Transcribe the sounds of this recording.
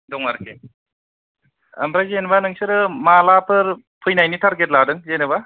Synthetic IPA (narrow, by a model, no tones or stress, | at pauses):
dɔŋaɾke | ɐ̰mbɾazenbanɯŋsɯɾɯmalapʰɯɾ | pʰɯjnajnitʰaɾɡet̬̚ladɯŋzenɯba